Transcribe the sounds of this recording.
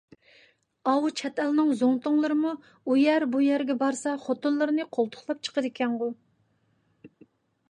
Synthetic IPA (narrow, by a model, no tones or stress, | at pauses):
ɑwut͡ʃʰɛt̪ʰɛlnɨŋzoŋt̪ʊŋlˠɨɾɨmu | ujɛɾbujæɾɡʲɛbɑɾsɑχot̪ʊnlˠɨɾɨnɨqʰolˠt̪ʰʊ̥χlˠɑp̚t͡ʃʰə̥qəd̪ɪkʲʰɛnʁʊ